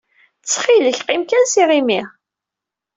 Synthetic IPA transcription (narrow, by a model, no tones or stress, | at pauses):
t͡sːχiləçqimkænsiʁimiʁ